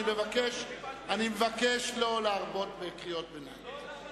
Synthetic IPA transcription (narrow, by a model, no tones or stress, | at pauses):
ime̞vakeʃanimevakeʃlo̞leaʁbo̞tbekʁijo̞t̚bena̰j